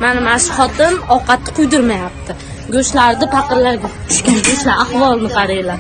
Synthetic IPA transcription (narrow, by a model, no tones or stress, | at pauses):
manɪmaʃɪχɒt̪ʰɪmɒqʰɑt̪ʰːɪ̥qʰʊjd̪ɪɾmajap̚t̪ʰɪ | ɡʲɵʃlaɾd̪ɪpɑqɨɾlaɾɡʲat͡ʃ̪ʰʊ̥ʃkʲanɡɵʃlaahvɒlˠnɪqʰɑɾajlaɾ